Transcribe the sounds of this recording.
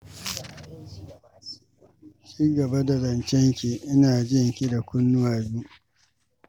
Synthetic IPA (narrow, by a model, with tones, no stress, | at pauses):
t͡ʃiː˦ɡɐ˨ba˦da˨zɐ˨nt͡ʃɛ˦ŋkʲi˨ʔɪ˦naː˨d͡ʒɪ˦ŋkʲi˦da˨kʷʊ˦nːʊ˦waː˨buː˦